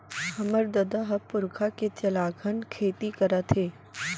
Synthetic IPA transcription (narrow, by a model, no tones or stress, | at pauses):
hɐməɾd̪ɐd̪aɦɐpʊɾkʰaket͡ʃɐlaːɡʰənkʰeːt̪ikɐɾət̪ʰeː